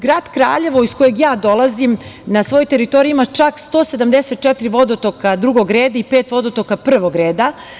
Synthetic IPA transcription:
ɡɾaːd̪kɾa̰ːʎe̞ʋoisko̞jeɡjaːd̪o̞lˠazimnasʋo̞jot̪eɾit̪oɾiimat͡ʃakst̪oːsed̪amd̪eset̪̚t͡ʃɛt̪iɾiʋo̞d̪ot̪okad̪ɾuɡo̞ɡɾeːd̪aipeːt̪ʋo̞d̪ot̪okapr̩ʋoɡɾeːd̪a

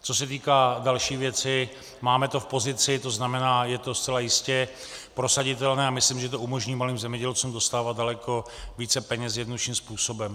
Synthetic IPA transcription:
t͡so̞s̬ɛt̪iːkaːdalʃiːvjɛt͡sɪ | maːmɛt̪o̞fpo̞zɪt͡sɪt̪o̞znamɛnaːjɛt̪o̞st͡sɛlajɪscɛ | pɾo̞saɟɪt̪ɛlnɛːamɪslimʒɛt̪oʔumo̞ʒɲiːmaliːmzɛmɲɛɟɛlt͡sumdo̞st̪aːvad̪̚dalɛkʰo̞ | viːt͡sɛpɛɲɛsjɛdnod̪ʃiːmspuːso̞bɛm

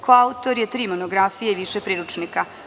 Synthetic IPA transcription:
kʰoaut̪o̞ɾjet̪ɾiːmonoɡɾafijeiʋiʃepɾiːɾut͡ʃnika

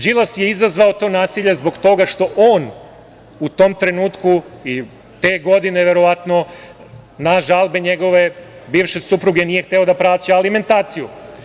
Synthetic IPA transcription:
d͡ʒilˠasje̞izazʋao̞t̪o̞ːnaːsiʎezbo̞ɡt̪o̞ɡaʃt̪o̞ʔoːn | ut̪o̞mt̪ɾe̞nuːt̪kui | t̪e̞ːɡo̞d̪ine̞ʋe̞ɾo̞ʋat̪no̞ | naʒalbe̞ɲe̞ɡo̞ʋe̞biːʋʃesupɾuɡe̞nije̞xt̪e̞o̞d̪apɾaːt͡ɕealime̞nt̪aːt̪siju

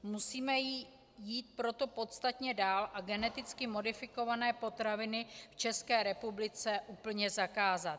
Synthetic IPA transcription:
musiːmɛji | jiːt̪̚pɾo̞t̪o̞po̞t̪st̪at̪ɲɛdaːlʔaɡɛnɛt̪ɪt͡skɪmo̞dɪfɪko̞vanɛːpo̞t̪ɾavɪnɪft͡ʃɛskɛːɾɛpublɪt͡sɛʔuːpl̩ɲɛzakaːzat̪

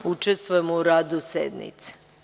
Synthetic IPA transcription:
ut͡ʃest̪ʋojemouɾaːd̪usḛd̪nḭt̪se̥

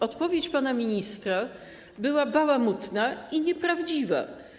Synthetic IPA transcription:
ɔt̪pɔvʲjet͡ɕpanamʲiɲist̪ɾa | bɘwabawamut̪naiɲɛpɾavd͡ʑiva̰

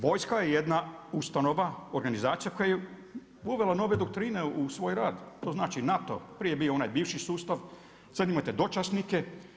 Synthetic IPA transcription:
ʋo̞ːjskajejed̪naust̪ano̞ʋaoɾɡanizaːt̪sijako̞jaje | uʋe̞lano̞ʋe̞d̪ok̚t̪ɾiːne̞usʋoːjɾaːd̪t̪o̞ːznaːt͡ʃinat̪o̞̰pɾijebiːoonajbiːʋʃisuːst̪aʋ | t̪ənimot̪ed̪o̞t͡ʃasnike

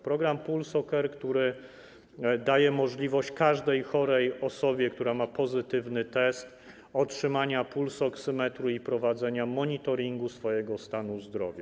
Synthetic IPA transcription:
pɾɔɡɾampulsɔkɛɾkt̪uɾɘ | d̪ajɛmɔʐlʲivɔɕt͡ɕkaʐd̪ɛjxɔɾɛjɔsɔbʲjɛkt̪uɾamapɔzɘt̪ɘvnɘt̪ɛst̪ | ɔtʂɘmaɲapulsɔksɘmɛt̪ɾuipɾɔvad̪zɛɲamɔɲit̪ɔɾʲiŋɡusfɔjɛɡɔst̪anuzd̪ɾɔ̰vʲja

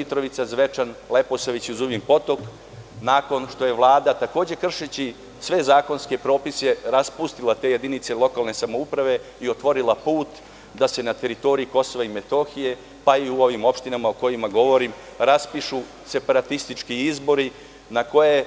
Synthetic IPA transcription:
it̪ɾo̞ʋit̪sazʋe̞t͡ʃanle̞posoʋit͡ɕuzuʋimpo̞t̪o̞k | nako̞nʃt̪o̞je̞ʋlˠaːd̪at̪ako̞ːd͡ʑe̞kr̩ʃet͡ɕi | sʋe̞zaːko̞nskepɾo̞ːpiseɾaspust̪ilˠat̪e̞je̞d̪init̪se̞lˠo̞kalˠne̞samo̞upɾaʋe̞ | io̞t̪ʋo̞ɾilapuːt̪ | d̪ase̞nat̪e̞ɾit̪o̞ɾiiko̞so̞ʋaime̞t̪o̞ːxije̞ | paiuo̞ʋimo̞pʃt̪inamaoko̞jimaɡo̞ʋo̞ɾim | ɾaspiʃu | se̞paɾat̪ist̪it͡ʃkiizbo̞ɾi | nako̞je

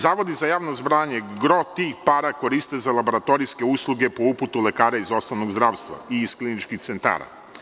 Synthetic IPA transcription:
zaːʋo̞d̪izajaːʋnozbɾaːɲeɡɾo̞t̪iːxpaːɾako̞ɾist̪ezalˠabo̞ɾat̪o̞ɾiske̞uslˠuɡe̞po̞uput̪ule̞kaːɾaizo̞snoʋnoɡzd̪ɾaːʋst̪ʋa̰iːsklinit͡ʃkixt̪sent̪a̰ːɾa̰

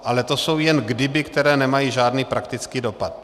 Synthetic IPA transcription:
ʔalɛt̪o̞so̞wjɛnɡdɪbɪkt̪ɛɾɛːnɛmajiːʒaːdniːpɾakt̪ɪt͡skiːdo̞pat̪̚

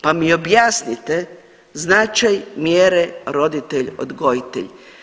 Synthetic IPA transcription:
pamio̞bjasnit̪e | znat͡ʃajmjeːɾeɾo̞d̪it̪eʎo̰d̪ɡo̞jit̪ḛʎ

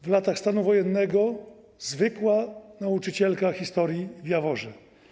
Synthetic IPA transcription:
vlat̪axst̪anuvɔjɛnːɛɡɔ | zvɘkwanaut͡ʂɘt͡ɕɛlkaxʲist̪ɔɾʲjivʲjavɔʐɛ

